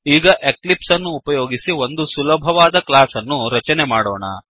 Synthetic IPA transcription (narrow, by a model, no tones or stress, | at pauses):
iːɡɐʔeklipsɐnːuːpɐjoːɡisiʋo̞nd̪usulɐbʱɐʋaːd̪ɐklaːsɐnːuɾɐt͡ʃɐne̞maːɽo̰ːɳɐ̰